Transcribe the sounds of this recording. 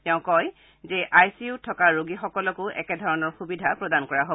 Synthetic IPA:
tɛʊ̃kɔj | zɛʔajsiutʰːɔkaɹoɡixɔkɔlɔkʊʔɛ̰kɛdʱɔɹɔnɔɹxubidʱapɹɔdankɔɹaɦo

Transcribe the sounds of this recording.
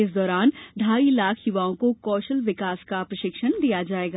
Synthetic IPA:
ɪsd̪ɔːɾaːnɖʱaːilaːkʰjʊʋaːõkokɔːʃəlʋɪkaːskapɾɐʃɪkʃənd̪ijad͡ʒaːeːɡaː

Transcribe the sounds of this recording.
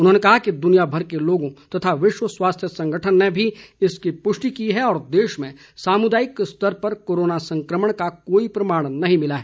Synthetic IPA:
ʊnɦõːnekɐɦakid̪ʊnijabʱɐɾkeloːɡõt̪ɐt̪ʰaʋɪʃwəswaːst̪ʰjəsɐ̃ŋɡʱəʈʰənːebʱiɪskipʊʃʈikiɦɛɔːɾd̪eːʃmẽ | saːmʊd̪aːjɪkst̪əɾpɐɾkoːɾoːnasɐ̃ŋkɾəməɽ̃kakoːipɾɐmaːɽ̃nɐɦĩmɪlaɦɛː

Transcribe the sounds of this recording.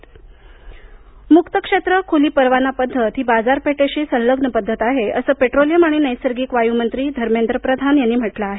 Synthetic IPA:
mukt̪əkʂet̪ɾəkʰuliːpəɾʋanapəd̪ʱːət̪ɦiːbad͡zaɾpeʈeɕiːsə̃nləɡnəpəd̪ʱːət̪aɦeəsəːpeʈɾolijəmaɽ̃inəjsəɾɡiːkʋajumənt̪ɾiːd̪ʱəɾmend̪ɾəpɾəd̪ʱanjanːiːm̤əʈlaːɦe

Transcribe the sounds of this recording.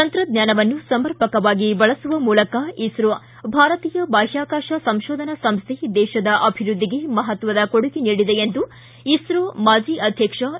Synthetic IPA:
t̪ɐnt̪ɾɐd̪ɲjaːnɐʋɐnːusɐmɐɾpɐkɐʋaːɡibɐɭɐsuʋɐmuːlɐkɐisɾo | bʱaːɾɐt̪iːjɐbaːʃaːkaːʃɐsɐmʃɔːd̪ʱɐnɐsɐmst̪ʰed̪ɛːʃɐd̪ɐʔɐbʱiɾud̪ʱːiɡe̞mɐɦɐt̪ʋɐd̪ɐkoɽuɡiniːɽid̪e̞end̪u | isɾomaːd͡ʒiɐd̪ʱjɐkʂɐ

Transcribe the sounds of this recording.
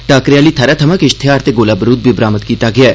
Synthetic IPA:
ʈaːkɾijaːlit̪ʰɐɾat̪ʰɐmakiʃt̪ʰeaːɾt̪ʰeɡoːlaːbɾuːd̪̚bibɾaːmət̪kiːt̪aɡja

